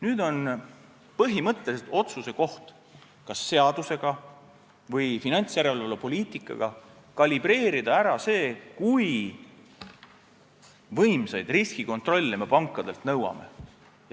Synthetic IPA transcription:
nyːd̪o̞n | pɤɦimɤt̪ːˑe̞liset̪o̞t̪suse̞ko̞ht̪ | kɑsːe̞ɑd̪̥use̞ɡ̥ɑ | vɤjfinɑnʲt̪sjæɾe̞lvɑlupo̞lʲiːt̪ˑikːˑɑ̰ɡ̥ɑ̰ | kɑlʲib̥re̞ːɾid̪̥ɑæɾɑse̞ːkuj | vɤjmsejd̪̥riskiko̞nt̪ro̞lʲːeme̞pɑŋkˑːɑd̪̥e̞lt̪nɤwɑ̰me̞̰ | j

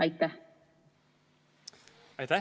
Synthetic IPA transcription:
ɑjt̪ːæh | ɑjt̪æ

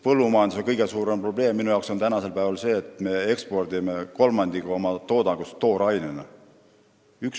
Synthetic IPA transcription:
pɤlːumɑjɑnd̪usoŋkɤjɡe̞suːɾe̞mpro̞b̥le̞ːmːinujɑwkso̞nt̪ænɑse̞lpæevɑlse̞ːt̪me̞e̞kspo̞rd̪̥ime̞ko̞lmɑnd̪ikomɑt̪o̞ːd̪ɑɡ̥ustt̪ːo̞ːɾɑjnene | yks

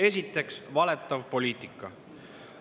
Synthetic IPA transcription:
e̞sit̪ːˑe̞ksvɑle̞t̪ːˑɑvpo̞lʲiːt̪ˑikːˑɑ

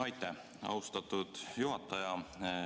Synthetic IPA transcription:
ɑjt̪ːˑe | ɑ̰ust̪ɑt̪ːˑud̪̥juɦɑt̪ːˑɑjɑ

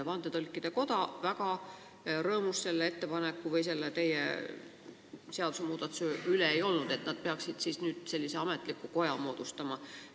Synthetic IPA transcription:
vɑnd̪̥et̪olʲkːˑid̪̥eko̞d̪̥ɑvækɑ | ɾɤːmusse̞lːeet̪ːe̞pɑnekːuvɤjse̞lːet̪e̞jḛ | se̞ɑd̪usemuːd̪̥ɑt̪seyleejo̞lnud̪̥e̞t̪nɑd̪̥̚pe̞ɑksid̪̥sisnyːd̪̥se̞lʲːise̞ɑmet̪ˑlikːˑuko̞jɑmo̞ːd̪̥ust̪ɑmɑ

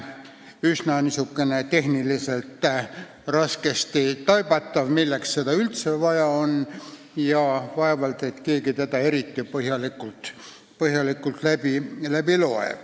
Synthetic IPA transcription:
ysnɑnisukːe̞net̪e̞ɦniliselt̪ | rɑske̞st̪it̪ɑjb̥ɑt̪ːɑvmilːeksːed̪ɑylt̪sevɑjɑon | jɑvɑe̞vɑlt̪et̪ke̞ːɡit̪ed̪ɑe̞ɾit̪ːipɤɦjɑlikːult̪ | pɤɦjɑlikːˑult̪læbilæb̥ilo̞ḛv

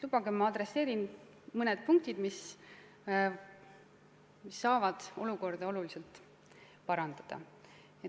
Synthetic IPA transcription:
lub̥ɑɡ̥emɑɑd̪̥ɾe̞sːe̞ːɾin | mɤned̪̥̚puŋk̚t̪id̪mis | misːɑːvɑd̪̥o̞luko̞rd̪̥ɑo̞luliselt̪ | pɑɾɑnd̪̥ɑd̪̥ɑ̰ | e

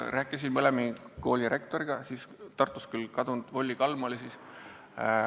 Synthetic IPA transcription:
ræːkːˑis̬inmɤlemiko̞ːlʲiɾe̞kt̪o̞ɾiɡ̥ɑsiːst̪ɑrt̪ːˑu̥skylkɑd̪und̪̥vo̞lʲːikɑlmolisiːs

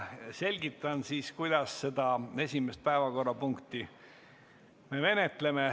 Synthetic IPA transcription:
se̞lʲɡ̥it̪ːˑɑnsiːskujd̪̥ɑsse̞d̪̥ɑe̞sʲimest̪̚pæevɑko̞rːɑpuŋkt̪i | me̞ve̞net̪le̞me

